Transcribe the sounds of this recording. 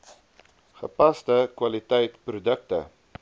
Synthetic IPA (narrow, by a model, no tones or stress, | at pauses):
χəpɐstəkwɐlitɛjtprudək̚tə̰